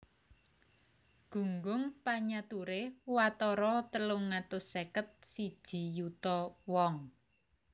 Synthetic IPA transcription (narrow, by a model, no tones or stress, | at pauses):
ɡ̥ṳŋɡʊŋpaɲat̪uɾewat̪ɔɾɔt̪əlʊŋːat̪ʊsekət̪̚sid̥ʒ̥i̤jut̪ɔwɔŋ